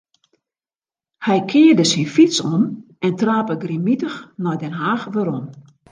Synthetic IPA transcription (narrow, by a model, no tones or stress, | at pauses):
hɛjkʰɪːərdəsinfitsɔn | ɛntraːpəɡrimitəxnɔjdɛnɦaːxʋøɾɔn